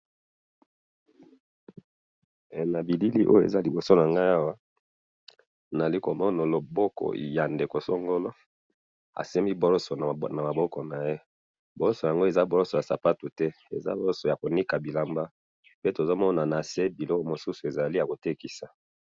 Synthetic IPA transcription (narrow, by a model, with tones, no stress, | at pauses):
na˨bi˨li˦li˦ʔo̰˦jo˨ḛ˨za˦li˨bo˨so˦na˨ŋɡa˦a˦wa˦˨ | na˨li˦ko˨mɔ˦no˨lo˨bo˦kɔ̰˨ja˨nde˨ko˨so˦ŋɡo˦lo˦ | a̰˨se˦mi˦bo˦ɾɔ˦sɔ˨na˨ma˨bɔ˦kɔ˨na˨je˦ | bo˨ɾɔ˦sɔ˨ja˨ŋɡo˦e˨za˦bo˨lɔ˦so˨ja˨sa˨pa˦tu˨tɛ˦e˨za̰˦bo˦ɾɔ˦so˨ja˨ko˨ni˦ka˨bi˨la˨mba˦ | pe˦to˨zo˦mɔ˦na˨na˨se˦bi˨lɔ˦ko˨mo˨su˦su˨e˨za˨li˦ja˨ko˨te˦ki˨sa˨